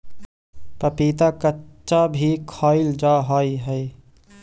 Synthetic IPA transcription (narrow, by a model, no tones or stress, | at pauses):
pəpiːt̪akətːʃabʱikʰɔːɪld͡ʒaːɦaːiɦəi